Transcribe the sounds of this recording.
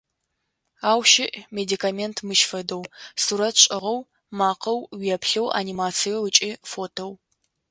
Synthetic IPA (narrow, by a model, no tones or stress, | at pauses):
aːwʃɪʔmedikʰaːmeːntʰmɨʃfɐdɐwsuɾɐtʰɕʼɪʁɐw | maːqɐwwijɛpɬɐwʔa̰nimaːt͡sʰijowət͡ʃʼiːfoːtʰow